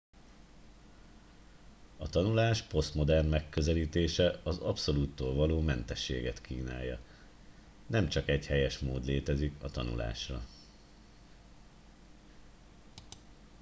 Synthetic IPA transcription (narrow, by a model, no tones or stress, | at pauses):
ɒt̪ɒnulaːʃpo̞st̪mo̞d̪ɛrnmɛkːøzɛliːt̪eːʃɛɒzɒpso̞luːt̪ːoːlvɒloːmɛnt̪ɛʃːḛːɡɛt̪kiːna̰ːjːɒ̰ | nɛmt͡ʃɒkɛchɛjɛʃmoːd̪leːt̪ɛzikɒt̪ɒnṵla̰ːʃrɒ̰